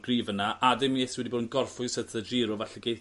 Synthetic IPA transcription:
ɡ̥riːvənaʔadɪmeθwɛdiboːdənɡɔrfʊsədəd͡ʒɪːɾɔvaɬɛɡej

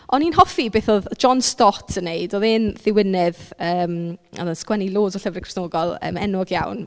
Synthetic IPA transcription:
ɔninɦɔfibeːθoːðd͡ʒɔnstɔtʰənːejdoːðɪnðɪwɪnɪðəːmɔ̰ðənskwɛnilˠoːdɔɬəvrəkr̥ɪ̥snoːɡɔlˠə̰ːmɛnɔɡja̰wn

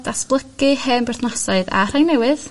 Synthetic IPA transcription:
d̥asplˠəkɨhɨmbɛrθnasaɨða̰r̥ajnɛwɨð

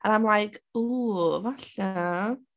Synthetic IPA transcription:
aɾajmlˠajkʰuːvaɬa

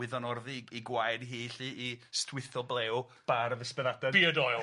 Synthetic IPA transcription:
ɪðɔnɔrðiiɡwajdɦiːɬiʔistʰwɪθɔblˠeːw | b̥aɾəvɪspɛðadɛb̥iɔdɔjlˠ

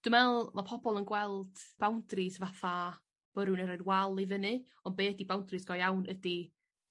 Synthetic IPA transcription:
d̥umɛlˠmapʰɔbɔlˠənɡwɛlˠd̥b̥awndrɪsvaθa | b̥əɾunəɾadwalˠivənɨ | ɔnbeːdibawndrɨsɡ̥ɔjawnʔədi

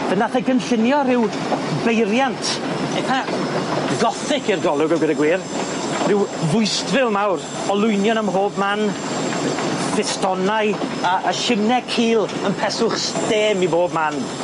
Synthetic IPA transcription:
b̥ɛnaθɛɡənɬɪnjɔɾɪw | bejɾjantʰɛtʰa | ɡɔθɪkʰirɡɔlˠʊɡəwɡədaɡwiːr | rɪwvʊɨstvɪlˠmawɾ | ɔlˠʊjnjɔnəmɦoːbman | b̥ɪstɔnaɨəʔəʃɪmnɛkʰiːlˠənpʰɛsʊχsteːmiboːbman

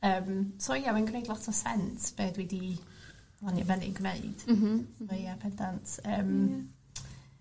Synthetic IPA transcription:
əːmsoijawɛnɡneɨdlˠɔtʰɔsɛntʰb̥eːdwɛdi | lanivɛnɪ̰ɡwneɨd̥aiapʰɛndantʰəːm

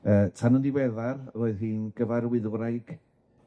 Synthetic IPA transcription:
əːtʰanʊndiwɛðarəroːɨðhiːnɡ̥əvaɾwɪðɾajɡ̥

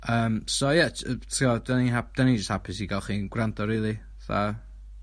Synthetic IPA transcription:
əːmsojɛtʰiɔdaniɦap̚d̥anid͡ʒəst̚hapʰɪsiɡalˠχiːnɡ̥ɾandɔɾiːlˠi | θa̰

